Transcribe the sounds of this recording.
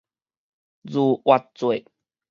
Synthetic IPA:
zu˨wa˨˩t̚t͡swe˨˩˨

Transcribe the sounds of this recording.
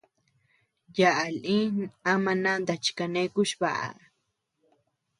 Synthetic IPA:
jaʔa˨li˦namana˦nd̪a˨t͡ʃkane˦kʊʃpa̰ʔa̰˨

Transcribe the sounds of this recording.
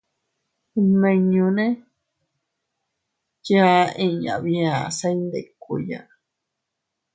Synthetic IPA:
mẽ˧ɲũ˧nẽ˦ | t͡ʃa˦ʔĩ˧ɲã̰˨βĩ˧ã˨sa˧˦nd̪e˨kʷṵ˧˨ja̰˨

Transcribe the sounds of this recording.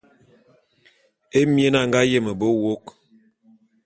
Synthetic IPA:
e˦mje˦na˦˨ŋɡa˦je˦˨mə˨bo˦wo˦k

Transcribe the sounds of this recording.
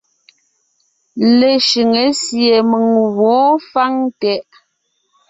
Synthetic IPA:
le˨ʃi˨ŋe˨˦sje˨mə˨ŋɣɔ˨˦fa˦ŋtɛ˨ʔ

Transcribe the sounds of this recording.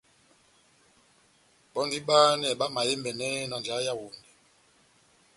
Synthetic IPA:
ɓɔ˦ndi˦ɓaː˦n˦ɛ˨ɓa˦ma˨je˦mbɛ˨nɛ˦nɔ˨nd͡ʒa˨˦ja˦˨wu˨ndɛ˨

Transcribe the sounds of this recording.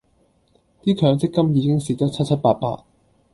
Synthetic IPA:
t̪iː˥kʰœː˨˧˥ŋt͡sɪ˥kːɐ˥mjiː˨˧kɪ˥ŋsiː˨˩t͡sɔː˥t͡sʰɐ˥t̚t͡sʰɐ˥t̚paː˧t̚pa̰ː˧t̚

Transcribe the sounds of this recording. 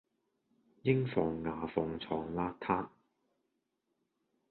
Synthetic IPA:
jɪ˥ŋfɔː˨ŋːaː˨fɔː˨˩ŋt͡sʰɔː˨ŋlaː˦˥t̪ʰaː˥t̚

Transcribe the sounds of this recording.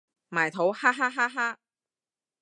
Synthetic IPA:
maː˨˩jt̪ʰo˨˥whaː˥ɦaː˥ɦaː˥ɦaː˥

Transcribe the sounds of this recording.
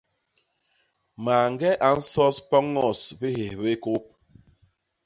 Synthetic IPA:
ma˨ŋ˦ɡɛ˦ʔa˨n̩˦sɔ˦spɔ˦ŋɔ˦˨sbi˦he˨βe˦ko˦p̚

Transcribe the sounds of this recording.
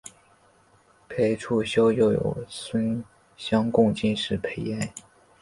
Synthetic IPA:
pʰe˧˥ɪʈ͡ʂʰu˥˩ɕjo˥ʊjo˥˩ʊjo̰˨˩ʊswə˥n | ɕjɑ˥ŋkʊ˥˧ŋt͡ɕi˥˧nʂɻ̩˥˩pʰe˧˥ɪa˥˩ɪ

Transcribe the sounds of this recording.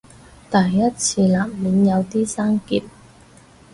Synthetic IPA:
t̪ɐː˨˩jːɐ˥t̚t͡sʰiː˧laː˨˩p̚miː˨˥njɐ˨˧wt̪iː˥saː˥ŋkiː˧˩t̚

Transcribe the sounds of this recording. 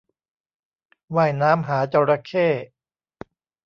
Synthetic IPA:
waː˥˩jnaː˦˥mɦaː˩˦t͡ɕa˧ɾa˧kʰeː˥˩

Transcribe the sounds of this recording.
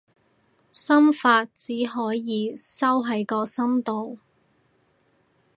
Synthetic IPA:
sɐ˥mfaː˧t̚t͡siː˨˥ɦɔː˨˥jjiː˨˧sɐ˥wɦɐ˨˥jkɔː˧sɐ˥mt̪o˨w

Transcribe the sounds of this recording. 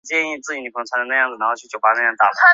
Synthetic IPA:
t͡ɕjɛ˥˧ni˥˧t͡sɹ̩˥˩t͡ɕi˨˩ni˨˩kʰɤ˧˥ŋt͡sʰwa˧˥ndə˩nɤ˥˧jɑ˥˩ŋd͡z̩̪˨˩a˧˥xo˧t͡ɕʰy˥˧t͡ɕjo˥˩ʊpa˧˥˩n˥˧jt̪a˥˩

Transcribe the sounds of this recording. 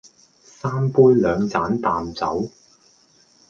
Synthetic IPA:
saː˥mpuː˥jlœː˨˧ŋt͡saː˨˥nt̪aː˨mt͡sɐ˨˥w

